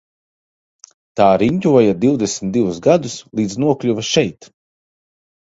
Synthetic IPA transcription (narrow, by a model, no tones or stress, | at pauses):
t̪aːɾiɲʲcʲuɔjad̪iwd̪esmʲt̪d̪ivusɡad̪uslˠiːd̪znuɔklʲuvaʃɛjt̪